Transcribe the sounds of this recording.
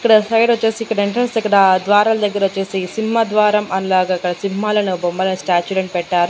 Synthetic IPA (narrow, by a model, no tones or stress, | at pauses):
ikːɐɽɐsɐjʈot͡ʃːe̞ːsiːkːɐɽɐeɳʈɾɐnsikːɐɽɐd̪ʋaːɾaːlɐd̪ɐɡːɐɾɐʋot͡ʃːe̞ːsisimːɐd̪ʋaːɾɐmɐnlaːiɡaːikːɐɽɐsimɦaːlɐnubɔmbɐlɐsʈaːt͡ʃulɐɳpɛʈːaːɾu